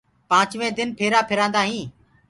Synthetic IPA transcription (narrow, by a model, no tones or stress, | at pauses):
pãːt͡ʃʋẽːd̪ɪnpʰeːɾaːpʰɪɾãːnd̪aːɦĩː